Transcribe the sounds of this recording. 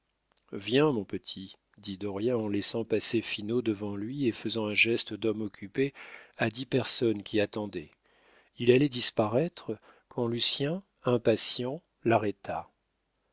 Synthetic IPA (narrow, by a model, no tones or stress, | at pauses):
vjɛ̃mɔ̃pət̪ʰi | d̪id̪ɔʁjaɑ̃lɛsɑ̃pasefinod̪əvɑ̃lɥiefəzɑ̃ɛ̃ʒɛst̪əd̪ɔmɔkʲypead̪ipɛʁsɔnkʲiat̪ɑ̃d̪ɛ | ilalɛd̪ispaʁɛt̪χ | kʰɑ̃lysjɛ̃ | ɛ̃pasjɑ̃ | laʁɛt̪ʰa